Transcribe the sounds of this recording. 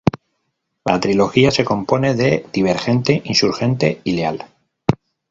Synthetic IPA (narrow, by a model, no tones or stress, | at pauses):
la̰t̪ɾilo̞xiase̞ko̞mpo̞ne̞ðe̞ð̥iβ̞e̞ɾxe̞nt̪e̞ʔinsuɾxe̞nt̪e̞ile̞al